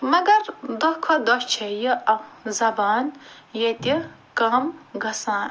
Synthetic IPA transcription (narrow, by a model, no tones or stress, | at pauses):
mɐɡɐɾd̪ɔkʰɔd̪ɔt͡ʃʰejiɐzɐbaːn | jet̪i | kɐmɡɐsãːn